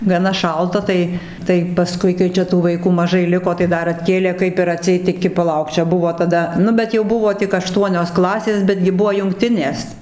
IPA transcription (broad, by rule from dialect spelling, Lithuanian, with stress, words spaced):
ɡɐˈnɐ ˈʃɐlˠtɐ ˈtɐɪ ˈtɐɪ pɐˈskʊɪ kɐɪ ˈt͡ʃʲɛ tuː ʋɐɪˈkuː mɐˈʒɐɪ ˈlʲɪkoː tɐɪ ˈdɐr ɐtʲˈkʲeːlʲeː ˈkɐɪp ɪr ɐˈtʲsʲɛɪt ɪˈkʲɪ pɐˈlˠɐʊk ˈt͡ʃʲɛ ˈbʊʋoː tɐˈdɐ ˈnʊ bʲɛt jɛʊ ˈbʊʋoː tʲɪk ɐˈʃtuɔnʲoːs ˈklˠɑːsʲeːs ˈbʲæːdʲɡʲɪ ˈbʊʋoː jʊŋkˈtʲɪnʲeːs